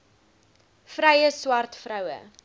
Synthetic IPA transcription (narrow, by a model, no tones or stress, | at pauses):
fɾɛjəswɐrtfrɐwə̰